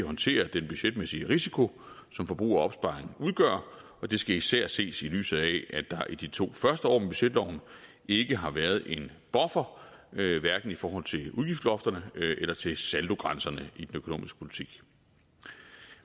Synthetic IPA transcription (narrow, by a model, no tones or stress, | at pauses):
ɦɒ̽nt͡sʰe̝̰ːɐd̥enb̥yɕed̥mesiəʁisikʰo̝ | sɒ̽mfɒ̽b̥ʁṵːɐɒ̽b̥sb̥ɑ̈ʁeŋn̩uðˠɡ̥œ̰ɐ | ɒ̽d̥e̝sɡ̥æisæɐ̰se̝̰ːsily̰ːsð̩ˠɛʔæd̥ɑ̈ʔid̥it͡sʰo̝̰ːfɶɐsd̥əɒ̰ːmeb̥yɕed̥lɒʊn | e̝ɡ̥əɦɑ̈ʋæɐð̞̩ˠe̝n | b̥ɒ̽fɐ | ʋæɐɡ̥n̩ifɒːɦɒ̽l̰t͡sʰe̝luðˠɡ̥ifd̥lɒ̽fd̥ɐnəʔelɐt͡sʰe̝sæld̥o̝ɡ̥ʁɑnsɐnəid̥enøkʰo̝no̰ːmisɡ̥ə̥pʰo̝lit͡sʰiɡ̥